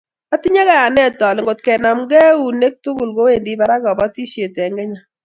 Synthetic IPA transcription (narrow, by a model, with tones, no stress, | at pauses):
a˦ti˦ɲa˦ka˦ja˨nɛ˦tɔ˨lɪ˨ŋɡo˨t̚kɛ˨na˨mɡɛ˦u˨ne˦k̚tu˦ɡu˨lko˦we˨ndi˦ba˦ɾa˦kɔ˨bɔ˦ti˦ʃe˨tɛ˨ŋɡɛ˦ɲa˨